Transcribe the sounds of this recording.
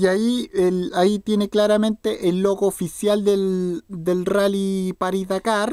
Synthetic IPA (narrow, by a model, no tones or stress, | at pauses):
iaielait̪je̞neklaɾamẽ̞nt̪eʔelːoɣoːfisjald̪eld̪elralipaɾiðakaɾ